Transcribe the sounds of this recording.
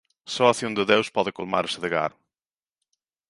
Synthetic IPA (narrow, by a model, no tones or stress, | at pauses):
sɔɐsiũnd̪ɨðewʃpɔðɨkulˠma̰ɾsɨðɨɣa̰ɾʊ